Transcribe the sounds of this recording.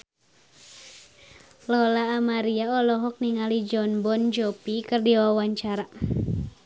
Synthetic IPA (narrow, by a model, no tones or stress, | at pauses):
lɔlaːmaɾiaɔlɔɦɔk̚niŋalid͡ʒɔnbɔnd͡ʒɔpikɨrdiwawaɲt͡ʃaɾa